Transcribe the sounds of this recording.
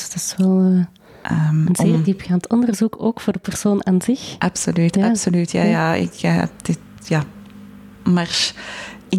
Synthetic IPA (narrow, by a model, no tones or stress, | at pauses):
tɪsʋɛlˠː | ʔəːmənzeːrdipɣaːntʰɔndərzukoːkfoːrdəpɛrsoːnaːnzɪxʔɑpsolyːtjɑpsolytʰja̰ːjaːɪ̰kɛ̰p̚d̪̥ɪt | jaː | marʃɪ